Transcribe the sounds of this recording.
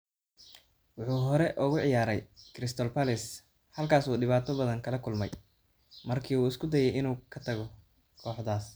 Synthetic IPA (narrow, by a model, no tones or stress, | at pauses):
wʊħuːɦɔɾɛʔʊɣʊʕɪjaːɾɛjkɾɪst̪ʰɔlpʰɐlɪs | hɐlkʰaːsuːɖɪβaːt̪ʰɔbɐðɐŋkʰɐlɐkʰʊlmɛj | mɐrkʰiːuːɪskʰʊd̪ɐjɛjɪnuːkʰɐt̪ʰɐɣɔ | kʰɔːħd̪aːs